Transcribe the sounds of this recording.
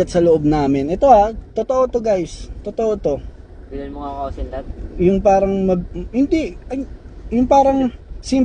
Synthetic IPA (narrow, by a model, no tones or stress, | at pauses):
ɐt̪sɐloʔo̞b̚naːmɪnʔɛt̪o̞ʔat̪ot̪oʔo̞t̪oɡajst̪ot̪oʔot̪o̞ | ɡɐlɐnmʊŋaŋɐosɪnɐb̚jʊŋpaːɾɐŋmɐhɪnd̪iɐŋjʊŋpaːɾɐŋsim